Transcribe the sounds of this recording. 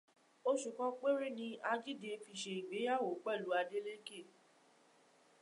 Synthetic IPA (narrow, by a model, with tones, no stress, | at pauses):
o˦ʃu˨kɔ̃˧k͡pe˦ɾi˦nĩ˧a˧d͡ʒi˦de˧fi˧ʃe˧i˨ɡ͡be˨˦ja˦˨wo˨˦k͡pɛ˦˨lu˨˦a˧de˦le˦ke˦˨